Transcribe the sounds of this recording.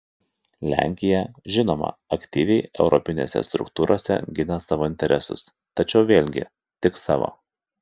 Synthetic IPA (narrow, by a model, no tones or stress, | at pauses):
lʲæ̰ˑŋʲkʲɪjɛʒʲɪnoːmɐ̰ɐkt̪ʲiːʋʲɛɪʔɛʊɾɔpʲɪnʲeːsʲɛ̰st̪ɾʊ̰kt̪uːɾoːsʲɛ̰ɡʲɪnɐsɑːʋoːɪnʲt̪ʲɛɾʲɛsʊ̰s | t̪ɐt͡ʃʲɛʊʋʲeːlʲɡʲɪ̰ | t̪ʲɪksɑːʋo̰